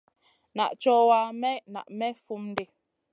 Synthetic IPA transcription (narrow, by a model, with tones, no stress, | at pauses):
na̰˨ʔt͡ʃɔ˦wa˦mɛ˦na̰˨ʔmɛ˦fu˦mn˦de˦